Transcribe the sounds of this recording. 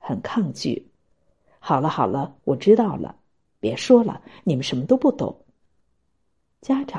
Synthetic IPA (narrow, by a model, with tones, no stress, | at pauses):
xə˨˩nkʰɑ˥˧ŋt͡ɕy̰˥˩ | xɑ˨˩ʊlə˦xɑ˨˩ʊlə˦wɔ˨˩ʈ͡ʂɻ̩˥t̪ɑ˥˩ʊlə̰˩ | pjɛ˧˥ʂwɔ˥lə̰˨ni˨˩mə˦nʂə˧˥nmə˧t̪o˥ʊpu˥˩t̪ʊ̰˨˩˦ŋ | t͡ɕja˥ʈ͡ʂ